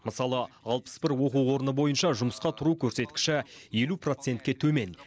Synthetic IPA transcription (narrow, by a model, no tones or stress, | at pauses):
məsɑlˠə | ɑlˠpə̥sbɪɾwo̞quwwo̞ɾənəbo̞jənʃɑʒʊməsqɑt̪ʰʊɾukʲʰɵɾse̞t̪kʲɪ̥ʃɪje̞lupro̞t̪se̞nt̪kʲe̞t̪ʰɵme̞n